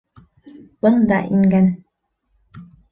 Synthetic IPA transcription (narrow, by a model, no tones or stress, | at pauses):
bɤnd̪ɑʔiŋɡæn